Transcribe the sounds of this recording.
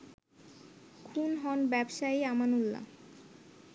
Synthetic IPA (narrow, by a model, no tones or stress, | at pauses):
kʰunɦɔnbɛbʃajamanulːa̰